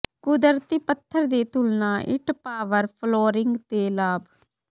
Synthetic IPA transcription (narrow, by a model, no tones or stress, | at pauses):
kʊd̪əɾt̪iːpət̪ʰːəɾd̪eːt̪ʊlnaːʔɪ̰ʈpaːʋəɾpʰloːɾɪŋɡt̪eːlaːb